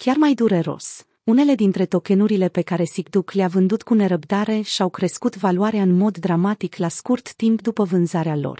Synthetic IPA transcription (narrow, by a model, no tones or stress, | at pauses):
kʲarmajd̪uɾe̞ɾo̞̰s | une̞le̞d̪int̪ɾe̞t̪o̞ke̞nuɾile̞pe̞kaɾe̞sikd̪ukleavɨnd̪ut̪kune̞ɾəpd̪aɾe̞ʃiawkɾe̞skut̪valuaɾeaɨnmo̞d̪ːɾamat̪iklaskurt̪ːimpd̪upəvɨnzaɾealo̰r